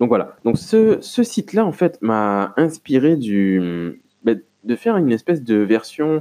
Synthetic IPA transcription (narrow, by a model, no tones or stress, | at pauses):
d̪ɔ̃kvwala̰d̪ɔ̃ksəsəsit̪laɑ̃fɛt̪maɛ̃spiʁed̪ym | bɛ | d̪əfɛʁynɛspɛsd̪əvɛʁsjɔ̃